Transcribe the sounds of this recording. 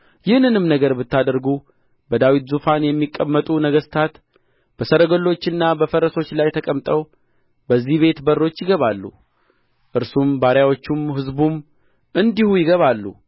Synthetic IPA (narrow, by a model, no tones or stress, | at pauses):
jɪhnːɨnɨmnəɡəɾbɨt̪ːad̪əɾɡu | bəd̪awit̪zufanjɛmːikʼːəmːət̪ʼunəɡəst̪ʰat̪ | b̥əsəɾəɡolːo̞t͡ʃːɨnːabəfəɾəso̞t͡ʃːlajt̪ʰəkʼəmt̪ʼəw | bəzːihβe̞t̪bərːo̞t͡ʃːjɪɡəβalːṵ | ʔɨɾsumbaɾjawo̞t͡ʃːumɦɨzbum | ʔɨnd̪ihujɪɡəβalːṵ